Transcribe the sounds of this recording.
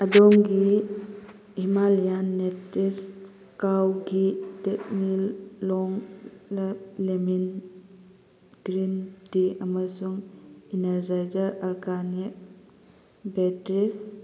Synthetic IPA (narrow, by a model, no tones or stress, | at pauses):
adɔŋɡi | himalijanːetiɾ | kawɡitet̚milːɔŋlalemin | ɡ̥ɾintiamasuŋineɾzajzaɾalkanik̚ | betɾis